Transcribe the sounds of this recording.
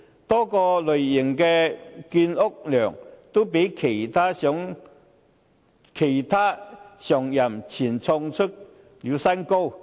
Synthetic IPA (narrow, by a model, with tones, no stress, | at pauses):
t̪ɔː˥kɔː˧lɵ˨˩ɥjɪ˨˩ŋkɛː˧kiː˧nʊ˥k̚lœː˨˩ŋt̪o˥wpe˨˥jkʰe˨˩jt̪ʰaː˥ɔ˨˥ŋ | kʰe˨˩jt̪ʰaː˥sœː˨˩ŋjɐ˨˩mt͡sʰiː˨˩nt͡sʰɔ˧ŋt͡ʃʰɵ˥t̚ | liː˨˧wsɐ˥nko˥w